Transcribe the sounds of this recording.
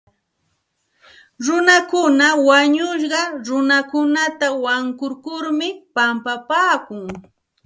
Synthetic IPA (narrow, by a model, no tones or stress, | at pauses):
ɾʊnakʊnawaɲʊʃ̬ɢɑɾʊnakʊnat̪awaŋkʊɾkʊɾmɪpampapaːkʊŋ